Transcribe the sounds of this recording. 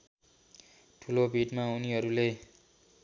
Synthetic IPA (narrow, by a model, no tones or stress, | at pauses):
ʈʰulobʱiʈmauniɦʌɾule